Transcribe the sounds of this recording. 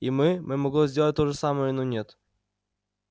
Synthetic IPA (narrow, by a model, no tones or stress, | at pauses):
imɨmɨmɐɡlˠozʲdʲelˠt̚ʲt̪oʐɨsaməjənonʲet̪